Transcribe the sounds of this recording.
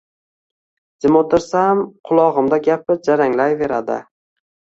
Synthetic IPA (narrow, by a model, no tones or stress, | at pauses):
d͡ʒɪmod̪ɪɾsamqʰʊlˠɒʁɨmd̪aɡʲap̚ɪd͡ʒaɾaŋlajve̞ɾad̪ɪ̰